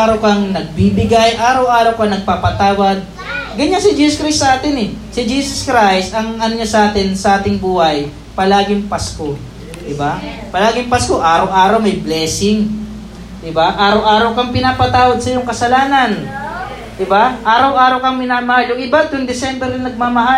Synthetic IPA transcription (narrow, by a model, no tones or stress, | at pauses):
aɾɐwkɐŋnɐɡ̚bibɪɡajʔaːɾɐwʔaːɾɐwkɐŋnɐɡ̚paːpɐt̪aːwɐd̪̚ | ɡɐɲansɪd͡ʒiːsoskɾajst̪sɐʔaːt̪ɛnɛsɪd͡ʒiːsoskɾajst̪ɐŋʔɐnoɲasɐʔaːt̪ɪnsɐʔaːt̪ɪŋbuːhɐj | pɐlaːɡɪŋpasko̞ | d̪ɪbapɐlaːɡɪŋpasko̞ʔaːɾɐwʔaːɾɐwmɐjblɛːsɪŋ | d̪ɪbaʔaːɾɐwʔaːɾɐwkɐŋpɪnaːpɐt̪aːwɐd̪̚sɐjʊŋkɐsɐlaːnɐn | d̪̥ɪbaʔaːɾɐwʔaːɾɐwkɐŋmɪnaːmɐhaljʊŋʔɪbad̪ʊŋd̪ɛsɛmbɛɾɪnɐɡ̚maːmɐɦa